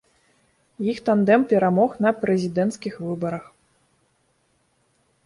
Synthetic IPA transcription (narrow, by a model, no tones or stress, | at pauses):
jixt̪and̪ɛmpʲɛɾamɔxnɐpɾɛzʲid̪ɛnt̪skʲixvɨbɐɾɐx